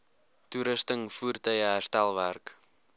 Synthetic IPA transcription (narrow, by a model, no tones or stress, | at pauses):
tuɾəstəŋfuːrtœjəɦærstælˠværk